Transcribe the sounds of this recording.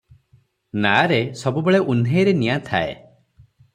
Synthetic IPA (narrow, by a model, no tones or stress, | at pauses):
naɾesɔbubeɭeʔunɦeɾenijat̪ʰaḛ